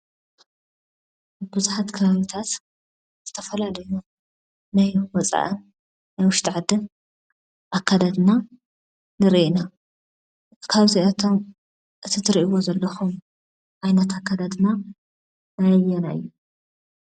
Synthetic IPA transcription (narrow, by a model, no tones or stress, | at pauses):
bɨzuħat̪kʰɐβaβit̪ʰat̪ | z̥ɨt̪ʰɐfɐlalɐju | najwɔt͡sʼa̰ʔɨnː | ajwʊʃt̪ʰʼiʕad̪ːɨn | ʔakʰːad̪ad̪na | nɨɾʔina | kʰaβziɐt̪ʰo̞m | ʔɨt̪ʰit̪ʰɨɾiʔiwo̞zɐlːɐxum | ʕajnɐt̪akʰːad̪ad̪ɨna | najɐjɛnaɨ̰jːu